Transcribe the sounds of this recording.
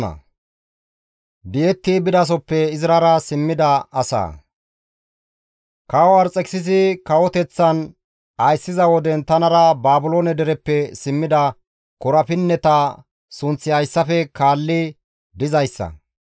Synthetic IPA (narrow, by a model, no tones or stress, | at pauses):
ɐ̰ | d̪ɪjɛt̪ːibɪd̪ɐs̬ɔpːɛɪzɾɐɾɐsɪmːɪd̪ɐɐsa̰ː | kɐwɐɾt͡sʼɛkɪ̥sɪzɪkɐwɔt̪ɛt͡sːɐn | ɐjsːɪzɐwɔd̪ɛnt̪ɐnɐɾɐbaːbʊloːnɛd̪ɛɾɛpːɛsɪmːɪd̪ɐ | kɔɾɐfɪnːɛt̪ɐ | sʊnt͡sːɪɐjsːɐfɛkaːlːɪ | d̪ɪzɐjsːɐ̰